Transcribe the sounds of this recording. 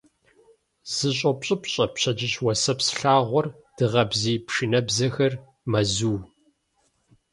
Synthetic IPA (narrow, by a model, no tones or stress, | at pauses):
z̥ɨɕʼɐpɕʼɪpɕʼɐpɕɐd͡ʒɪɕwɐsɐpsɬaːʁʷɔr | d̥ɨʁɐbziːpʂɨnɐbzɐxɐr | mɐzuː